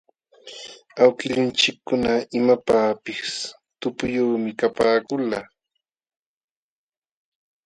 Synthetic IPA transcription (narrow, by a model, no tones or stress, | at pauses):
awkɪʎɪnt͡ʃɪkːʊnaɪmapaːpɪs | t̪ʊpʊjuːmɪkapaːkʊla